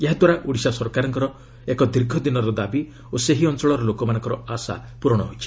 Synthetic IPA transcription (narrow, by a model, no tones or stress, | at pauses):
eɦad̪waɾaʔuɽisasɔɾkaɾɔŋkɔɾɔ | ekɔd̪iɾɡʱɔd̪inɔɾɔd̪abi | oseɦiɔnt͡ʃɔɭɔɾɔlokɔmanɔ̃ŋkɔɾɔasa̰puɾɔɽ̃ɔɦojt͡ʃʰi̥